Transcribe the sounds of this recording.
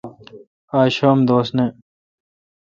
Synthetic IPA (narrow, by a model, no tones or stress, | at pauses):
aːɕoːmd̪oːsne